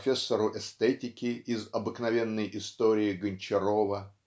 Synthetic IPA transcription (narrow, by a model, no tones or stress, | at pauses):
fʲesːəɾʊʔɛst̪ɛtʲɪkʲɪɪzɐbɨknɐvʲe̞nːəjʔɪst̪oɾʲɪːɡənʲt͡ɕɪɾovə